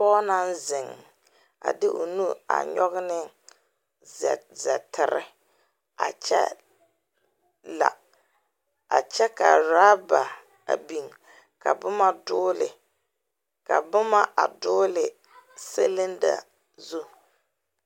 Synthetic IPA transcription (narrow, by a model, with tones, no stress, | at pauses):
pɔː˦na˦n˦zɪ˨ŋ˨ | a̰˨dɪ˦ʔo˨nu˦a̰˨ɲɔ˦ɣɪ˦nɪ˦˨ | zɛ˨tɪ˨ɾɪ̰˦ | a̰˨t͡ʃɛ̰˦ | la̰˨ | a˨t͡ʃɛ˦ka˨ɾa˦ba˨ | a˨bi˨ŋ | ka˨bʊ˦ma˦dʊː˦lɪ˨ | ka˨bʊ˦ma˦ʔa˨dʊː˦lɪ˨ | se˦lɪ˦nda̰˨ | zu˦